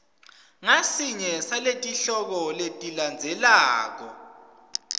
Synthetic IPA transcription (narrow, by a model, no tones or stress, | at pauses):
ŋasiɲɛsaletʼiɬɔk̬ɔletʼiland͡zʱɛlaːk̬ɔ̰